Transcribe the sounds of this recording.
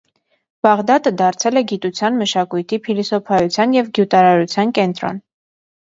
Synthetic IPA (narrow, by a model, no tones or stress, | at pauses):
b̥ɑʁd̪ɑt̪əd̪ɑɾt͡sʰɛlɛɡit̪ut͡sʰjɑnməʃɑkujt̪ʰipʰilisɔpʰɑjut͡sʰjɑnjɛvɡjut̪ɑɾɑɾut͡sʰjɑnkɛnt̪ɾɔ̰n